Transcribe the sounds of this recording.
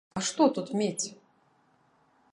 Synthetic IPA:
ɐʂt̪ɔt̪ut̪mʲet͡sʲ

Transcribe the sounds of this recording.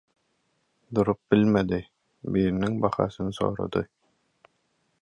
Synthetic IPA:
d̪uɾup̚bilʲmɛd̪i | biːɾnɘŋbɑχɑ̰ːsɯnsɔ̰ːɾɔ̰d̪ɯ

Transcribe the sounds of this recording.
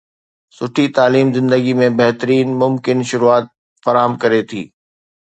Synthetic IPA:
sʊʈʰit̪aːliːmzɪ̃nd̪əɡimẽbɐɦt̪əɾiːnmʊmkɪnʃʊɾuaːt̪̚ | fɐɾaːɦəmkɐɾet̪ʰḭː

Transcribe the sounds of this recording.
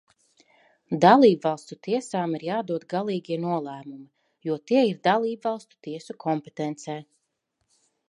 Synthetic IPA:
d̪alˠiːbvɑlˠst̪ut̪ʰiɛsaːmiɾjaːd̪uɔd̪ɡalˠiːɡʲiɛnuɔlˠæːmumi | juɔt̪iɛiɾd̪alˠiːbvɑlˠst̪u̥t̪iɛsukʰɔmpet̪ɛnt̪sɛː

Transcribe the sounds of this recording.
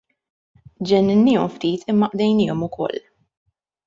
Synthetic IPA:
d͡ʒɛnːɪnːɪːɔmft̪iːt̪ʰɪmːɐʔd̪ɛjnɪːɔmʊkʰɔ̰lː

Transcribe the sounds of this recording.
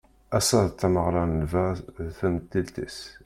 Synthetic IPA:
æsæðt̪ːæməʁɾˤɑnəvæθæmt̪ːilt̪ḭs

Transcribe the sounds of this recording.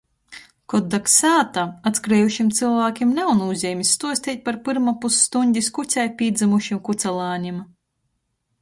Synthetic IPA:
kɔd̪ːaksaːt̪aat̪skɾɛːjuʃimt̪sɨlˠvaːkʲimnawnuzʲɛːmʲisːt̪uɔsʲt̪ʲiːt̪̚ʲpaɾpɨɾmapusːt̪uɲʲdʲiskusʲɛjpʲiːd̪zɨmuʃimkut̪sɛlˠaːɲim

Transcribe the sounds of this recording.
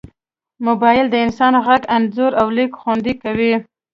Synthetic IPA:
mʊbɑjɪld̪əɪnsɑnɣaɡanzʊɾawlikxwand̪ikawi

